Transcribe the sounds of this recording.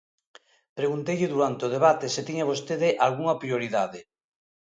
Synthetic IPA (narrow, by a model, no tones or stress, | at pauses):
pɾeɣunt̪ejʎɪðuɾant̪eoð̞eβat̪esɪt̪iɲaβ̞ost̪eðɪʔalɣuŋɐpɾioɾiðaðɪ